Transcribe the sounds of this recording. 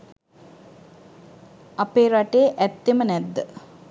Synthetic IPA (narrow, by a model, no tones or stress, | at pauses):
apeːɾaʈeːʔɛt̪ːemənɛd̪ːə